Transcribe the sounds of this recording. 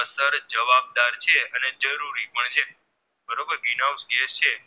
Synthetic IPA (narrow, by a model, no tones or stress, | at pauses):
əsəɾd͡ʒəʋab̚d̪aɾt͡ʃʰeəned͡ʒəɾuɾipəɳd͡ʒe | bʱəɾobəɾʋinawsɡest͡ʃʰe